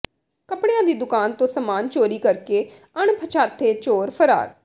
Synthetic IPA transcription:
kəpɽeãːd̪iːd̪ʊkaːnt̪õːsəmaːnt͡ʃoːɾiːkəɾkeː | əɳpʰət͡ʃʰaːt̪ʰːeːt͡ʃoːɾpʰəɾa̰ːɾ

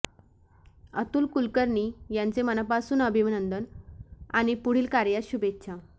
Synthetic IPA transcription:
ə̰t̪uːlkulkəɾɳijãnt͡semənapasuːnəbʱimənənd̪ənaɽ̃ipuɽ̤iːlkaɾjaɕubet̪ːɕʰa

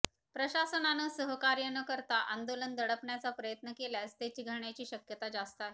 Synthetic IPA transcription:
pɾəɕasənanəsəɦəkaɾjənəkəɾt̪aʔand̪olənd̪əɽəpɳjat͡sapɾəjət̪nəkeljast̪jat͡ɕiːɡʱəɾɳjat͡ɕiːɕəkjət̪ad͡ʑast̪a

